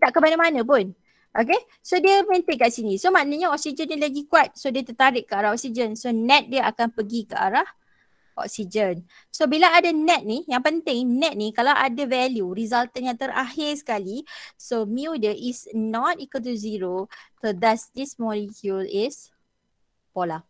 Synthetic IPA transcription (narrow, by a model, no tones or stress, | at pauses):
daʔkəmanamanə̃p̬ʊn | ʔoke | sodiəmə̃nt̪ekaʔsinisomanəɲaɔk̚sid͡ʒənːilaɡikuat̪̚sodiət̪ərt̪aɾɪʔkəaɾaɦɔk̚sid͡ʒənsonɛt̪̚diəakanpəɡikəʔa̰ɾah | ʔɔ̰ksid͡ʒən | sobilaadanɛt̪̚nijaŋpənt̪ɪŋnɛt̪̚nikalawʔa̰davɛljurizalt̪ənjãŋt̪əɾʔa̰hɪrsə̥kalisomiudəʔisnɔt̚ikot̪̬uziɾot̪əd̪asdismɔlikjulɪs | pola